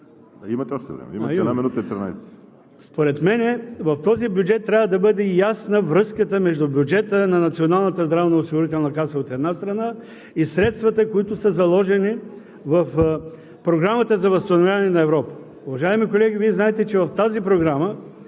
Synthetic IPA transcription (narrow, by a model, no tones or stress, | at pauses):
aimɐt̪ɛɔʃt̪ɛ̰vɾɛ̰mɛ̰ḭmɛɛd̪naminut̪əit̪ɾina̰js | spoɾɛt̪mɛnɛvɐft̪ɔzibjud͡ʒɛt̪ːɾʲavəd̪ɐbɤd̪ɛjasnəvɾɤskət̪əmɛʒd̪ʊbʲjʊd͡ʒɛt̪ənɐnɐt̪sionalˠnət̪əzd̪ɾavnəosiɡoʊɾit̪ɛlˠnɐkasəot̪ɛd̪nast̪ɾɐna | isɾɛt̪st̪vɐt̪əkoit̪ʊsəzɐlˠɔʒɛni | vɐf | pɾoɡɾamət̪əzɐvɐst̪ɐnovʲjavɐnɛnɐɛvɾɔpə̥ | ʊvɐʒaɛmikolɛɡʲiviɛznaɛt̪ɛt͡ʃɛvɐft̪azipɾoɡɾamə